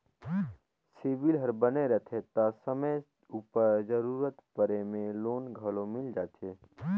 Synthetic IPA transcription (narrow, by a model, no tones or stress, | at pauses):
siːʋɪlɦɐɾbəneɾɛt̪ʰet̪asəməj | uːpəɾd͡ʒəɾuːɾət̪pəɾemẽloːnɡʱɐlõmɪld͡ʒaːt̪ʰeː